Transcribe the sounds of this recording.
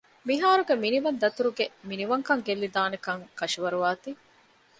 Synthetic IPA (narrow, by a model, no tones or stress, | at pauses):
miɦaːɾuɡeminiʋɐnd̪ɐt̪uɾuɡeminiʋɐŋkɐŋɡelːid̪aːnekɐŋkɐʃiʋɐɾuʋaːt̪i